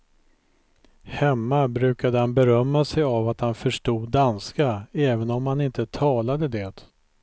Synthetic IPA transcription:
hɛmːabɾʉ̟ːkad̪əhanbɛɾœmːasɛjavat̪hanfœʂʈuːd̪̚ːanskaɛːvənɔmhanɪnt̪ət̪ʰɑːlad̪əd̪eːt̪

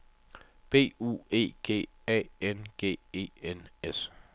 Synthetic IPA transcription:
b̥e̝̰ːṵːe̝̰ːɡ̥e̝̰ː | ɛ̰ːenɡ̥e̝̰ːe̝̰ːenes

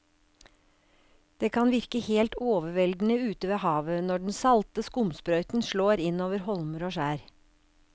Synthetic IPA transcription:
d̪̥eːkʰɑnʋɪɾkəheːlt̪oːʋəʋɛld̪n̩əʉːt̪əʋeːhɑːʋənɔɖn̩sɑlt̪əskʊmspɾœʏt̪n̩ʃɭoːɾɪnoːʋəɾhɔlməɾoːʃæːɾ

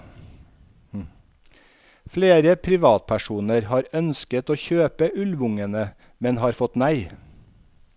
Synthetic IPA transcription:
fleːɾəpʰɾɪʋɑːt̪̚pʰæʃuːnəɾhɑːɾœnskət̪oːçøːpəʔʉlʋʊŋənə | mɛnhɑːɾfɔt̪næɪ

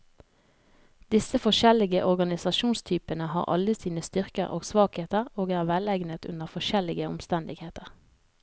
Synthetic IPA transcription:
d̪̥ɪsəfɔʃɛlɪɡəʔɔʁɡɑnɪsɑʃuːnst̪ʰyːpənəɦɑ̰ːʁʔɑ̰ləsiːnəst̪ʏʁkə̰ʁo̰ːɡsʋɑːkheːt̪əʁoːɡæːʁʋɛlɛɪɡnət̪ʉ̰nəʁfɔʃɛlɪɡəʊ̰mst̪ɛnd̪ɪɡheːt̪əʁ

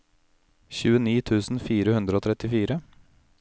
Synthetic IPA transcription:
çʉːəniːt̪ʰʉːsn̩fiːɾəhʉnd̪ɾəoːt̪ʰɾɛt̪ɪfiːɾə

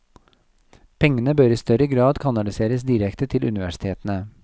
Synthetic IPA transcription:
pʰɛŋːənəbøːɾiːst̪œɾəɡɾɑːd̪kʰɑnɑlɪseːɾəsd̪iːɾɛkt̪ət̪ʰɪlʉ̰nɪʋæʂɪ̥t̪ʰeːt̪ən̩ə

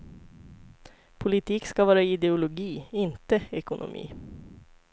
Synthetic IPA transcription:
pʰʊlɪt̪ʰiːkskavɑːɾaɪd̪ɛʊlʊɡiːɪnt̪əɛkʊnʔʊ̰mʔḭː

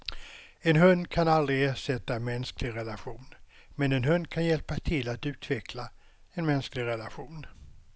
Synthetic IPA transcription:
ɛnɦɵnd̪kʰanald̪ɾɪeːʂɛt̪ːaɛnmɛnsklɪɡɾɛlaɧuːn | mɛnɛnɦɵnd̪kʰanjɛlpat̪ʰɪlːat̪ʉ̟ːt̪ʰvɛkʰla | ɛnmɛnsklɪɡɾɛlaɧuːn

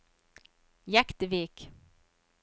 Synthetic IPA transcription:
jækt̪əviːk

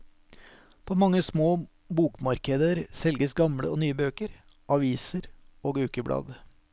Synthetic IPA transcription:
pʰoːmɑŋːəsmoː | buːkmɑɾkəd̪əɾsɛlɡəsɡɑmɽə̰oːnyːəbøːkəɾ | ʔɑʋiːsəɾoːɡʉːkəbɽʔɑ̰ːd̪

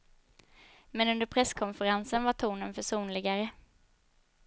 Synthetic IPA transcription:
mɛnɵnd̪əɾpʰɾɛskʰɔnfəɾansənvaʈ̪ʰuːnənpæʂuːnlɪɡaɾə

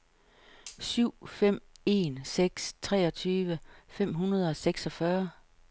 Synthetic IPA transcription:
syʊ̰fem̰e̝nseɡ̥st͡sʰʁɛ̰ːɒ̽t͡sʰyːʋəfem̰ɦunɐð̞ˠɒ̽seɡ̥sɒ̽fɶɐ

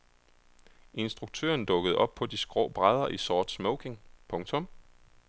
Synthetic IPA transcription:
e̝nsd̥ʁuɡ̥̚t͡sʰø̰ːɐnd̥ɔ̽ɡ̥əð̞̩ˠʔɒ̽b̥̚pʰɒ̽d̥isɡ̥ʁɔ̰ʊb̥ʁað̞ˠɐʔisɒːd̥smɔʊkʰe̝ŋpʰɔ̽ŋt͡sʰɔ̽m

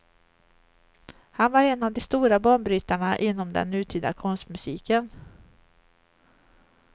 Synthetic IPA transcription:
hanvaɾɛnːavd̪ɔst̪uːɾabɑːɳbɾyːt̪aɳaʔɪnːɔmd̪ɛ̰nːʉ̟ːt̪ʰyːd̪a̰kʰɔnst̪mɵsiːkən

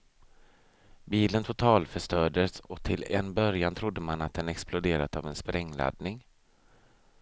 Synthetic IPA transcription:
biːlənt̪ʰʊt̪ʰɑːlfœʂʈœːɖəsɔt̪ʰɪlɛ̰nːbœɾjant̪ʰɾʊd̪ːəmanat̪̚d̪ɛnɛksplʊd̪eːɾat̪avɛnspɾʔɛŋːla̰d̪nɪŋ

